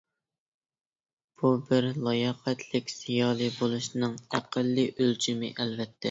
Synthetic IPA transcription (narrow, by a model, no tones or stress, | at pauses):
b̥ubɪɾlˠɑjɑqɛt̪ʰlɪkʲsijɑːlˠɨbolˠuʃnɨŋæqəlːɨʔølt͡ʃʰimɪ̰ʔɛlvɛt̪ʰːɛ